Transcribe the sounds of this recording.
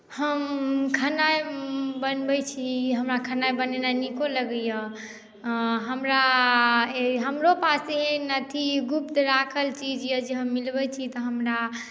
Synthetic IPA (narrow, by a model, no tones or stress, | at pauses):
həmkʰənajbənbɛt͡ʃʰiɦəmɾakʰənajbənenanikoləɡəjə | ɦəmɾa | eɦəmɾopaseɦenət̪ʰiɡup̚t̪ɾakʰəlt͡ʃʰid͡ʒjəd͡ʒeɦəmːilbət͡ʃʰit̪ɔɦəmɾa